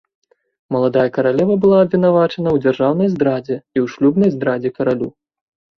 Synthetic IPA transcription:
mɐlˠad̪ajɐkɐɾalʲɛvɐbɨlˠaːbvʲinavat͡ʂɐnɐwd͡zʲarʐawn̪ɐjzd̪ɾad͡zʲɛiwʂlʲubnɐjzd̪ɾad͡zʲɛkɐɾalʲu

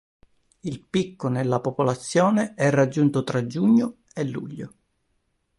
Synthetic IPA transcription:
ilpikːonelːapopolat̪sːjɔːneɛrːad͡ʒːunt̪ot̪ɾad͡ʒːuɲːo | elːuʎːo̰

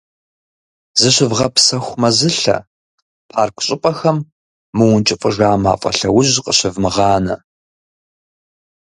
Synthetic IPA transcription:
zɨɕʷɪvʁɐpsɐxʷmɐzɨɬɐ̰ | pʰaːrkʷʰɕʼɪpʼɐxɐmː | ɨwʊnt͡ʃʼɪfʼəʒaːma̰ːfʼɐ̰ɬɐwʊʑqəɕɪvmɨʁɑːnɐ̰

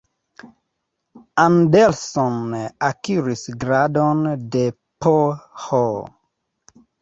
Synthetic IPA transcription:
ãndɛlsɔ̃nakiɹisɡɹadɔ̃nde | pʰɔhɔ

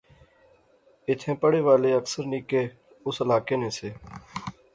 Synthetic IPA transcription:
ɪt̪ʰẽːpəɽeːʋaːleːəksəɾniːkeː | ʊsəlaːkeːnẽːseː

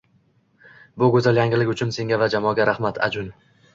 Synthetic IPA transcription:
bʊɡɵzaljaŋɪlɪkʲʊt͡ʃʰʊnse̞ŋɡʲavad͡ʒamɒɡʲaɾahmat̪ʰa̰d͡ʒʊn

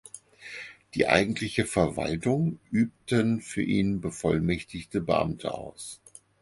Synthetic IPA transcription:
d̥iːʔa̰ɪɡŋ̩tʰlɪçəfɛɐva̰ltʊŋʔyːp̚tənfyːɐʔiːnbəfɔlmɛçtɪçtəbə̰ʔa̰mtʰə̰ʔa̰ʊs

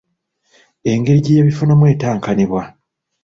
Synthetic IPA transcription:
e̞ŋɡe̞ɾiɟejaβifunamwe̞ːtaːŋkaneβwa

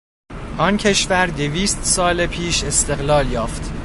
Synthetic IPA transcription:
ʔɒːncʰe̞ʃvæɾd̪eviːst̪sɒːlepʰiːʃe̞st̪e̞ɣlɒːljɒːft̪

